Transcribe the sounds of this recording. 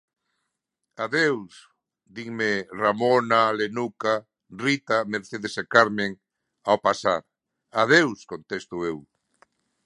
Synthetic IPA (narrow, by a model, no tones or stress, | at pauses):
aðews | d̪iŋmeramonalenuka | rit̪ameɾθeðesekaɾmeŋ | aopasaɾ | að̞ewskont̪est̪ʊew